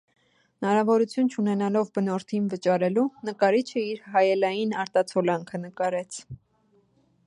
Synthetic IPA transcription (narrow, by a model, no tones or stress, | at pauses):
nɑɾɑvɔɾut͡sʰjunt͡ʃʰunɛnɑlɔvbənɔɾt̪ʰinvət͡ʃɑɾɛlunəkɑɾit͡ʃʰəiɾɦɑjɛlɑjinɑɾt̪ɑt͡sʰɔlɑŋkʰənəkɑɾɛt͡sʰ